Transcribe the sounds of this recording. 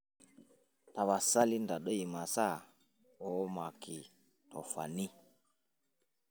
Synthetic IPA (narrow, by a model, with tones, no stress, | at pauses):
ta˨βa˨sa˦li˦nda˨ɗɔ˦i˨ma˨sa˦˨ | ɔ˨˦ma˨ki˨ | tɔ̰˨fa̰˨ni˦